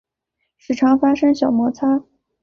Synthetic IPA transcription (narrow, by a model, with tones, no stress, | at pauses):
ʂɻ̩˨˩ʈ͡ʂʰɑ˧˥ŋfa˥ʂɤ˥ŋɕjɑ˨˩ʊmwɔ˧˥t͡sʰa˥